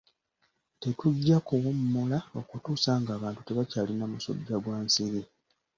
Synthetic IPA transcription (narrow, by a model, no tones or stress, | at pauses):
te̞tuɟːakowumːolao̞kutuːsaːŋɡaːβaːntu̥te̞βacaːlinamuso̞̰ɟːaɡwaːnsiɾi